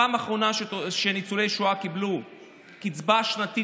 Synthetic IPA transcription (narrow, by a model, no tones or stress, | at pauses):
aːmaχʁo̞naʃenit͡sulejʃuakiblu | kit͡sbaʃnati